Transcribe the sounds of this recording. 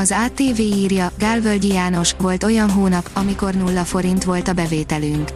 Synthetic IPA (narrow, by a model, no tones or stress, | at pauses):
ɒzaːt̪eːveːiːrjɒɡaːlvølɟijaːno̞ʃʋo̞lt̪o̞jɒnɦoːnɒpɒmiko̞rnulːɒfo̞ɾint̪ʋo̞lt̪ɒbɛveːt̪ɛlyŋk